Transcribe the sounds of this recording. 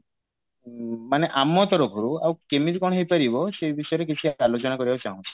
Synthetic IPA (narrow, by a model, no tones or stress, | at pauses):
maneʔamɔt̪ɔɾɔɡʱoɾuawkemit̪ikɔɳ̃ɦejpaɾibɔsejbisɔjɔɾek̬it͡ʃʰiaalot͡ʃɔnakɔɾibat͡ʃaɦũt͡ʃʰi̥